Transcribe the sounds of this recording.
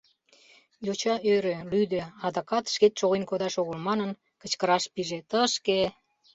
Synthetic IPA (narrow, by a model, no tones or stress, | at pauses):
jot͡ɕɑʔøɾølyd̪øɑd̪ɑkɑt̪ʃket̪ʃoɣenkod̪ɑʃoɣəlmɑnən | kət͡ɕkəɾɑʃpiʒet̪əʃke